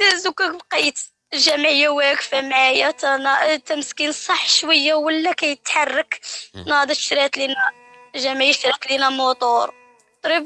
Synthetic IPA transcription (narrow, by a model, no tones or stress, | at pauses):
æzukækbqit̪ | ʒæmʕəjːæwækfæmʕajæt̪nt̪æməskinsˤɑħːʃwəjːawəlːækæjət̪ħarˤːəknd̪ˤɑt̪ʃɾit̪linæ | ʒæmʕijəʃɾit̪linæmʊt̪ˤoɾˤ | t̪ɾib